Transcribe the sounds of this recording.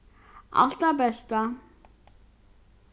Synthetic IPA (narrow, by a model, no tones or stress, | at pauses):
a̰ɬt̪aːpæːɬt̪aː